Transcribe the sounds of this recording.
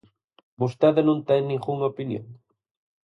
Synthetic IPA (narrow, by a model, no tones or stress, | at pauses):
bust̪aðanõnt̪ɛjnĩŋɡuŋopinjo̰ŋ